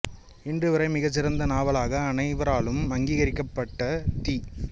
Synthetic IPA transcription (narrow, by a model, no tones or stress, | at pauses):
ɪndrɯʋɐɾɐɪmɪɣɐt͡ʃːɪɾɐnd̪ɐnaːʋɐɭaːɣɐːnɐɪʋɐɾaːɭɯmɐŋɡiːɣɐɾɪkːɐpːɐʈːɐt̪iː